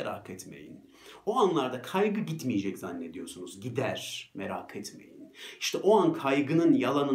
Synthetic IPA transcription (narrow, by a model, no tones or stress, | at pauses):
eɾa̰kʰɛt̪me̞̰jḭn | oanlˠaɾd̪akʰajɡɯɟit̪mijed͡ʒɛczanːe̞d̪ijo̞ɾsunuzɟid̪æɾ̥meɾaːkʰɛt̪me̞̰jḭni̥ʃt̪ʰɛʔoankʰajɡɯnɯnjalˠanɯ